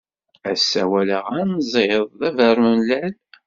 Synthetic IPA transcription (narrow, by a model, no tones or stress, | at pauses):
æsːæwæləʁænzˤeðˤðævəɾmənlæl